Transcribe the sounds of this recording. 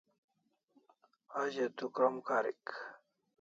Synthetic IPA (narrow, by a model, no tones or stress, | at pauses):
ad͡ʑet̪ukɐmkaɾḭk